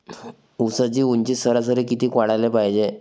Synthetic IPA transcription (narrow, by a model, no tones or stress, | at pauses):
usət͡ɕiːuɲt͡ɕiːsəɾas̬əɾekit̪iːkaɽajlepajd͡ʑe